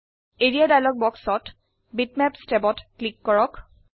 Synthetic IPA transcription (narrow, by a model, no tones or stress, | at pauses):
eɹijadajlɔk̚bɔksɔt | bitmɛpstebɔtklikːɔɹɔk